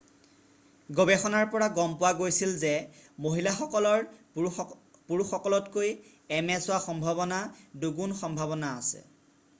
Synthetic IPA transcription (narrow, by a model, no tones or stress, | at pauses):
ɡɔbɛxɔnaɹpɔɹaɡɔmpʊwaɡojsilzɛmoɦilaxɔkɔlɔɹ | puɹuxɔkɔlɔtkoj | ɛmɛsʊwaxɔmbʱaβɔnaduɡunxɔmbʱabɔnaːsɛ̰